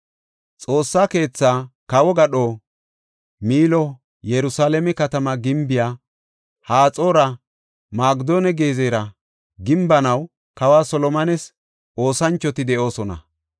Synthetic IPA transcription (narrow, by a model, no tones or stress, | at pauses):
t͡sʼo̞ːsːaːke̞ːt͡sːaːkɐwɔɡɐɗoː | miːlɔ | jɛɾʊsaːlɛmɛkɐt̪ɐmɐɡɪmbɪjaː | haːt͡sʼoːɾɐ | maːɡd̪oːnɛɡeːzeːɾɐ | ɡɪmbɐnɐw | kɐwaːsɔlɔmɐnɛs | ʔo̞ːsɐnt͡ʃːɔt̪ɪd̪ɛʔo̞ːsɔnɐ̰